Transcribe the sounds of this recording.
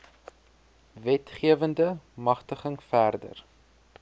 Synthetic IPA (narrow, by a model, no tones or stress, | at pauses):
vɛtχiəvəndəmɐχtəχəŋfærdə̰r